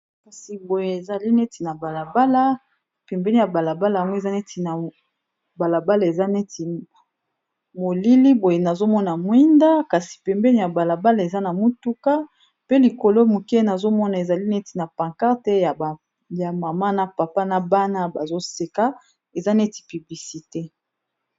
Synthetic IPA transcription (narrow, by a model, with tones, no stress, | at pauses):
ka˨si˨bo˨je˨e˨za˨li˦ne˦ti˨na˨ba˨la˨ba˦la˦ | pɛ˨mbɛ˦ni˦ja˨ba˨la˨ba˦la˨ŋɡo˦e˨za˦ne˦ti˨na˨ | ba˨la˨ba˦la˨e˨za˦ne˦ti˨ | mo˨li˦li˦bo˨je˨na˨zo˦mɔ˦na˨mwi˦nda˦ka˨si̥˨pɛ˨mbɛ˦ni˦ja˨ba˨la˨ba˦la˨e˨za˦na˨mu˦tu˦ka˦ | pe˦li˨ko˨lo˦mu˨ke˦na˨zo˦mɔ˦na˨e˨za˨li˦ne˦ti˨na˨pã˨ŋka˦ʁtɛ˦ja˨ | ja˨ma˨ma˦na˨pa˨pa˦na˨ba˦na˦ba˨zo˦se˨ka˦ | e˨za˦ne˦ti̥˨py˨bli˨si˨te˦